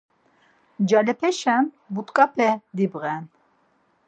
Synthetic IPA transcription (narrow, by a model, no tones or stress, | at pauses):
d͡ʒalɛpʰɛʃɛn | but̪ʼkʼapʰɛd̪ibɣɛn